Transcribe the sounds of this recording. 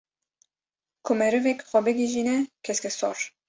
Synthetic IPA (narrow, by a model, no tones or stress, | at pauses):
kʰumɛɾɨvɛkxɔbɛɡiʒinɛkʰɛskɛsɔ̰ɾ